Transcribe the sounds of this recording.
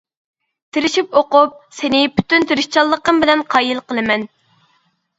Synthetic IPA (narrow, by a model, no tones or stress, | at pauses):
t̪ʰɪɾɪʃipoqʊp̚sɪnɪpʰy̥t̪ynt̪ʰɪɾɪʃt͡ʃʰɑlˠːəqəmbɪlɛnqʰɑːjilˠqəlˠɨmɛn